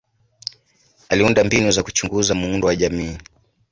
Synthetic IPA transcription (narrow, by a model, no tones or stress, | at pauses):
aliundambinuzaku̥t͡ʃuŋɡuzamuundɔwaʄamiː